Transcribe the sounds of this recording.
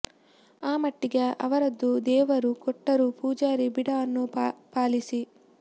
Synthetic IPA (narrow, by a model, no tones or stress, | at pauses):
aːmɐʈːiɡeʔɐʋɐɾɐd̪ːud̪ɛːʋɐɾukɔʈːɐɾupuːd͡ʒaːɾibiɽɐɐnːupaːlisi